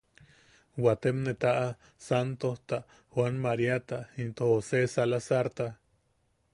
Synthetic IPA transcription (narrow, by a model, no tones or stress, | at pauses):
wat̪emnet̪aʔa | sant̪oht̪a | hwanmaɾiat̪aint̪ohosesalasaɾt̪a